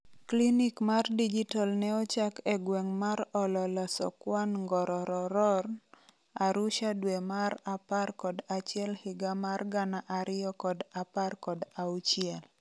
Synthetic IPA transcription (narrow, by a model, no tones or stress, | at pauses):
klinikmardid͡ʒitalnɛɔt͡ʃakɛɡwɛŋmaɾɔlɔlasɔ̰kwanŋɡɔɾɔɾɔɾɔr | aɾuʃadwemaɾaparkɔdat͡ʃɪɛlhɪɡamarɡanaʔaɾɪjɔkɔdaparkɔdaut͡ʃɪɛl